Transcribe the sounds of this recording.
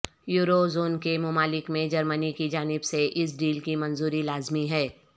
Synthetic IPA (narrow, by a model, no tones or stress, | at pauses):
juːɾozoːnkemʊmaːlɪkmẽd͡ʒɐɾmənikid͡ʒaːnɪbseʔɪs̬ɖiːlkimɐ̃nzuːɾilaːzmiɦɛː